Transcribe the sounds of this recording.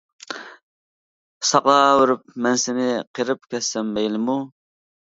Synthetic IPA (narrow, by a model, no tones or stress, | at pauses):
sɑqlˠɑwɪɾyp̚mɛnsɪnɪqʰeɾɪp̚kʲʰɛsːɛmːɛjlɪmu